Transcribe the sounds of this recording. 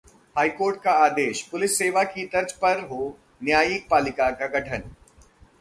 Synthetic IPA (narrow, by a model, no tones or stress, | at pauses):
haːikoːɾʈ̚kaaːd̪eːʃpʊlɪsːeːʋakit̪ɐɾd͡ʒpɐɾɦo | njaːjik̚paːlɪkakaɡɐʈʰən